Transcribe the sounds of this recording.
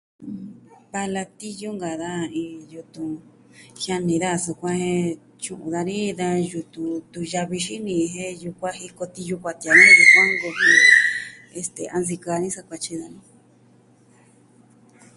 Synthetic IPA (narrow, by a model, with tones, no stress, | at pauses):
βa˧la˧t̪i˦jo˦ŋɡa˨ða˦ĩ˧ju˧t̪ũ˧ | ha˧nĩ˨ða˦˧˨su˧kʷã˦hẽ˧ | t͡ʃũ˧ʔṵ̃˨ða˧nĩ˦ða˧ju˧t̪u˧t̪u˧ja˧βi˧ʃi˦nĩ˧ɦẽ˦ju˧kʷa˦ɦi˧ko˧t̪i˧ju˧kʷa˧t̪i˧a˨˧nĩ˦di˧ko˦ŋɡo˧ɦĩ˦˧ | e˧st̪e˨a˧ns̬i˧ka˧nĩ˦sa˧kʷa˧t͡ʃi˧ða˧nĩ˦